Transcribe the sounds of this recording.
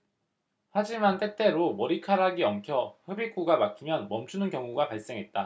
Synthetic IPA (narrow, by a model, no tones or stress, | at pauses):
had͡ʑimant͈e̞t͈e̞ɾomʌɾikʰaɾaɡiʌmkʰjʌɸɯbik͈uɡamak͈imjʌnmʌmt͡ɕʰunɯnkjʌŋuɡapaɭs͈e̞ŋɦe̞t̚t͈a